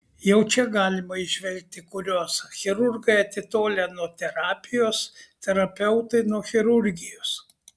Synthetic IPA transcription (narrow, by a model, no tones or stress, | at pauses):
jɛʊt͡ʃʲɛɡɑːlʲɪmɐɪʒʲʋʲɛlʲk̚t̪ʲɪkʊɾʲoːsxʲɪɾʊɾɡɐɪɐt̪ʲɪt̪oːlʲɛnuɔt̪ʲɛɾɑːpʲɪjoːst̪ʲɛɾɐpʲɛʊt̪ɐɪnuɔxʲɪɾʊɾʲɡʲɪjoːs